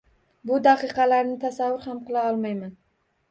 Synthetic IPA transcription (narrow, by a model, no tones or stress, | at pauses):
bʊd̪aqɨqɑlaɾnɪt̪ʰasavːʊɾhamqɨlˠaɒlˠmajman